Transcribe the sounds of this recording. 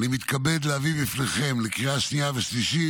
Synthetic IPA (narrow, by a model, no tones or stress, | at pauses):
nimit̪kabe̞d̪leavibifneχe̞mlekiʁaʃniaveʃliʃi